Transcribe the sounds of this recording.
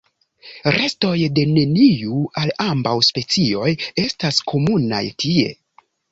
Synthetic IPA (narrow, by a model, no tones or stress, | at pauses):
ɾʔe̞sto̞jde̞ne̞niualambawspe̞t͡sio̞je̞staskʰo̞muna̰jtʰie̞̰